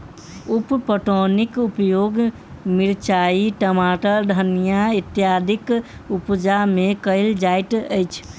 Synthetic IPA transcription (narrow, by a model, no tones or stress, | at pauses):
uppəʈonikupjoɡ | miɾt͡ʃaiʈəmaʈəɖʱənijait̪jad̪ʱikupd͡ʒamekəɪld͡ʒajʈ̪əjt͡ʃʰ